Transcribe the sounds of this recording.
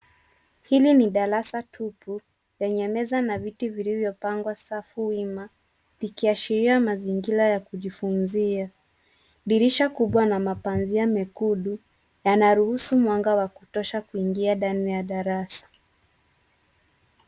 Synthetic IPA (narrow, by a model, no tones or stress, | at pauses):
hiliniɗaɾasatʰupu | lɛɲɛmɛzanavitivilivjɔpaŋɡwasafuwima | likiaʃiɾiamaziŋɡiɾajakuʄifunzia | ɗiɾiʃakuɓwanamapanziamɛkuɗu | janaɾuhusumwaŋɡawakutɔʃakuiŋɡiaɗanijaɗaɾasḁ